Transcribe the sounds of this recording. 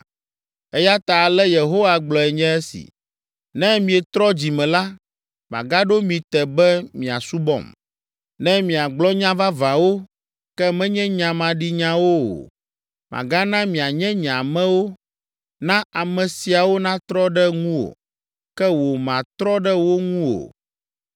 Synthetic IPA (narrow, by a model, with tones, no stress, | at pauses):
ɛ˦ja˦t̪a˨lɛ˦je˨ɦo˦wa˦ɡ͡blɔ˨ɛ˨ɲɛ̃˦ɛ˦sḭ˨ | nɛ̃˦mĩ˨ɛ˨t̪ɾɔ˦d͡ʑi˨mɛ̃˨la˦ | mã̰˨ɡa˦ɖo˦mĩ˨t̪ɛ˨bɛ˦mĩ˨a̰˨su˦bɔ̰˦˨m | nɛ̃˦mĩ˨a˨ɡ͡blɔ˦ɲã˦va˦vã˨wo˦ | kɛ˦mɛ̃˦ɲɛ̃˦ɲã˨mã˨ɖi˦ɲã˦wo˦o̰˨ | mʔã̰˨ɡa˦nã˦mĩ˨a˨ɲɛ̃˦ɲã˨mɛ̃˦wo˦ | nã˦a˨mɛ̃˨si˨a˨wo˦nã˦t̪ɾɔ˦ɖɛ˦ŋũ˦wo̰˨ | kɛ˦wo˨mã˨t̪ɾɔ˦ɖɛ˦wo˦ŋũ˦wo̰˨